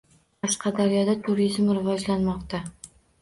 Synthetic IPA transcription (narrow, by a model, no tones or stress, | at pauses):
qʰɑʃqɑd̪aɾjɒd̪at̪ʰʊɾizmɾɪvɒd͡ʒlanmɒqt̪a